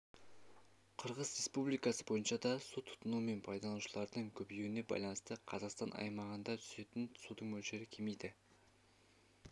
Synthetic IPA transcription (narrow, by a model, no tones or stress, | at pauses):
qʰəɾʁəzɾe̞spublijkɑsəbo̞jənʃɑd̪ɑsut̪ʰʊ̥t̪ənume̞npʰɑjd̪ɑlˠuʃəlˠɑɾd̪əɴkʲʰɵbjewɪne̞bɑ̰jlˠɑnəst̪əqʰɑzɑqst̪ɑnʔɑ̰jmɑʁənd̪ɑt̪ʰʏ̥se̞t̪ɪnsud̪əɴmɵlʃe̞ɾɪkʲʰeme̞jd̪ɪ